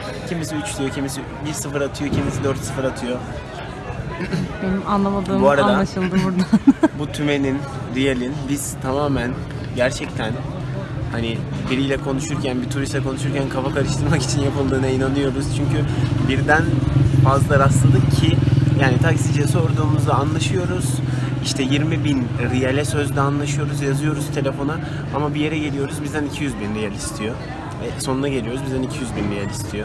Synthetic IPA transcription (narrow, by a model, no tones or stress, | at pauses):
cʰimisiyt͡ʃd̪ijocʰimisi | biɾsɯfɯɾat̪ʰɯjo̞cʰimisid̪øɾt̪sɯfɯɾat̪ʰɯjo̞ | benimanlˠamad̪ˠɯːmbuaɾadalaːaʃɯlˠd̪ɯbuɾd̪abut̪ʰyme̞nind̪ijelʲinbiz̥t̪ʰamaːmæn | ɟæɾt͡ʃʰɛc̚t̪ʰæn | hanibiɾijlʲɛkʰo̞nuʃuɾcʰænbit̪ʰuɾist̪ɛkʰo̞nuʃ̬uɾcʰænkʰafakaɾɯʃt̪ʰɯɾmaki̥t͡ʃʰinjapɯlˠd̪ɯːnainanɯjo̞ɾuz̥t͡ʃʰyɲcybiɾd̪ænfazlˠaɾaslˠad̪ɯkcʰijaːnit̪ʰaksid͡ʒɛso̞ɾd̪uːmuzd̪aːnlˠaʃɯjo̞ɾuz̥iʃt̪ʰɛjiɾmibinɾijalʲɛsø̞zd̪ɛanlˠaʃɯjo̞ɾuzjazɯjo̞ɾuz̥t̪ʰe̞lʲe̞fo̞na | amabije̞ɾɛɟe̞lʲijo̞ɾuzbizd̪ænicʰijyzbinɾijalʲist̪ʰijo̞ | vɛso̞nunaɟelʲijo̞ɾuzbizd̪ænicʰijyzbinɾijalʲist̪ʰijo̞